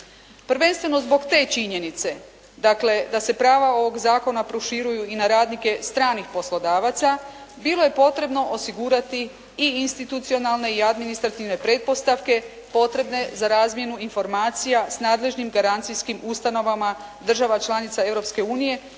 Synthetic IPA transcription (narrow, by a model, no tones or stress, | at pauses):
prɾʋe̞nst̪ʋe̞no̞zbo̞ɡt̪e̞ːt͡ʃiɲe̞nit̪se̞ | d̪akle̞d̪ase̞pɾaːʋao̞ʋo̞ɡzaːko̞napɾoʃiɾujuinaɾaːd̪nike̞st̪ɾaːnixpo̞slˠo̞d̪aːʋat̪sa | bilo̞je̞po̞t̪ɾe̞bno̞ʔosiɡuːɾat̪iː | inst̪it̪ut̪sio̞nalˠne̞iad̪minist̪ɾat̪iʋne̞pɾe̞t̪̚po̞st̪aʋke̞ | po̞t̪ɾe̞bne̞zaɾaːzmje̞nuinfo̞ɾmaːt̪sijasnaːd̪le̞ʒnimɡaɾant̪siskimust̪ano̞ʋamad̪r̩ʒaʋat͡ʃlˠanit̪sae̞vɾo̞pske̞uːnije̞